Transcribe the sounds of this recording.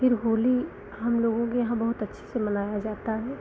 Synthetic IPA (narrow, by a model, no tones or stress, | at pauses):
pʰɪɾɦoːli | ɦɐmloːɡõkejɐɦãbɐɦʊt̪ɐtːʃʰi̥semɐnaːjad͡ʒaːt̪aɦɛː